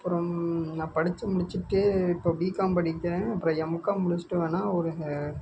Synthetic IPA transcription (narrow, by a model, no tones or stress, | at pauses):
ɐpːɯɾɔ̃naːpɐɽɪt͡ʃːɯmʊɽɪt͡ʃːɯʈːɯʈobiːkːaːmpɐɽɪkːɾẽːɐpːɯɾɐ̃ːɛmɐkːaːmʊɽɪt͡ʃːɪ̥ʈːɯʋeːnaːɔɾɯ